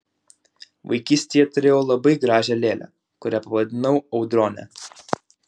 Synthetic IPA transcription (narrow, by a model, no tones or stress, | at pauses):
ʋɐɪkʲiːsʲt̪ʲeːjɛt̪ʊɾʲeːjoːlˠɐbɐɪɡɾɑːʒʲɛlʲeːlʲæ̰ | kʊɾʲæːpɐʋɐd̪ʲɪnɐʊɐʊd̪ɾoːnʲɛ̰